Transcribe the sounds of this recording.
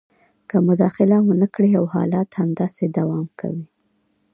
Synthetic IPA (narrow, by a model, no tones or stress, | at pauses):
kəmʊd̪ɑxɪlawənəkɽeawhɑ̰lɑt̪hamd̪ɑsed̪awɑmkʰa̰wi